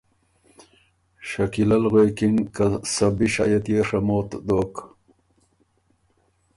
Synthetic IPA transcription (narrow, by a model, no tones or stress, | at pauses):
ɕakilalɣwekiŋkasabiʃa̰jet̪jeʂamot̪d̪ok